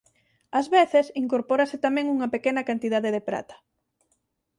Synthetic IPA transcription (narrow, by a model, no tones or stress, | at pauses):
azβeθesiŋkoɾpoɾɐsɪt̪amɛ̃ŋuŋɐpekenɐkant̪iðaðeðepɾa̰t̪ɐ̥